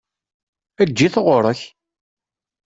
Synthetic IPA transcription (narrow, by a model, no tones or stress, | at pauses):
æd͡ʒːiθəʁʊɾˤəç